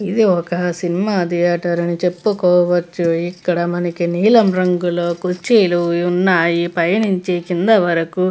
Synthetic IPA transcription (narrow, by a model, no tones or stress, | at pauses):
id̪iɔkɐsinimaːd̪ijaːʈɐɾɐnit͡ʃe̞pːukɔːʋɐt͡ʃːuikːɐɽɐmɐnɐkiniːlɐmɾɐŋɡulo̞ːkut͡ʃːeːluunːaːjipɐjɐniɲt͡ʃeːkind̪ɐʋɐɾɐku